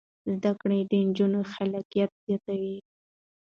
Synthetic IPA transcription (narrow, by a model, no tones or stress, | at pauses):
zd̪akɽed̪ənd͡ʒunoxalakijat̪̚z̥jat̪awi